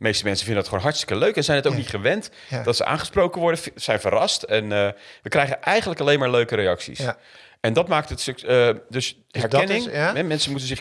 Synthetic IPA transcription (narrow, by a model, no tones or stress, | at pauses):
mejstəmɛnsə̥vɪndədɑtχəo̰wnɦɑɹtstɪ̥kəløɥkɛnzɛjnɦətowknitχəʋɛnt | d̥ɑtsə̰ʔa̰ːnχəsprowkənʋɔɹdəz̥ɛjnvəɾɑstɛnʋəkrɛjχənʔɛjχənləkɑlejnmaːɹløɥkəɾejɑksḭs | ɛndɑtmaːk̚tətskədɵs | ɦɛɹkɛnɪŋɦɛmɛnsənmutənzɪχ